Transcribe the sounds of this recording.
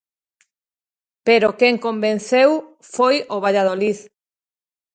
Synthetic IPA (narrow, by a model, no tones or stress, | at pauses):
peɾokeŋkombẽn̟θew | fojoβ̞aʎað̞oliθ